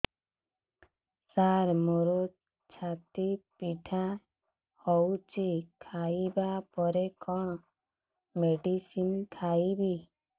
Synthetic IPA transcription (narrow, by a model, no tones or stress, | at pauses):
saɾmoɾo | t͡ʃʰat̪ipiʈʰa | hɔwt͡ʃikʰajbapɔɾekʰɔɽ̃ | meɖisimkʰajbi